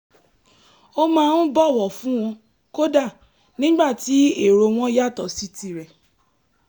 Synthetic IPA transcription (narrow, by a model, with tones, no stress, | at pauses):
o˦mãː˦˧nũ˦bɔ˦˨wɔ˨fũ˦w̃ɔ̃˧ | ko˦da˦˨ | nĩ˨˦ɡ͡ba˦˨ti˨˦e˦˨ɾo˧w̃ɔ̃˦ja˦˨tɔ˨si˧ti˧ɾɛ˨